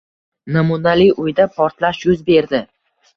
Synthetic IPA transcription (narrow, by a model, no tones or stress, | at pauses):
namunalijʔʊjd̪apʰɒɾt̪laʃjʊzbe̞ɾd̪ɪ